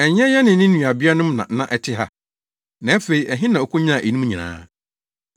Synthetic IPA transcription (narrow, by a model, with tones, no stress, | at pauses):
ɛ˨ɲɛ̃˦jɛ˦nɪ̃˨˦nɪ̃˦n̩˦ũ˨a˨bi˦a˦nʊ̃˦m˦nã̰˨˦nã˨ʔɛ˨tʰɪ˦ɦa̰˦ | nã˨˦fe˨i˨ʔɛ˨ɦɪ̃˦nã˨o˨kʰʊ˦ɲã˦˨ʔe˨nũ˦m̃˦ɲĩ˨nã̰ː˦